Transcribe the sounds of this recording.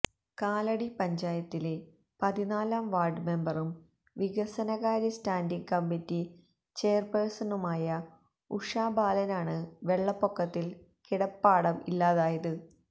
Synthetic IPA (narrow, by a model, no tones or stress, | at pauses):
kaːlɐɽipɐɲd͡ʑaːjɐt̪ːile̞ | pɐðinaːlaːmʋaːrɖme̞mbɐrum | ʋiɣɐsɐnɐɣaːɾistaːndiŋɡkɐmːitːi | t͡ɕe̞jɐrpersɐnumaːjɐ | uʂaːbaːlɐnaːɳɨʋe̞ɭːɐpːokːɐt̪ːil | kiɽɐpːaːɽɐmilːaːðaːjɐðɨ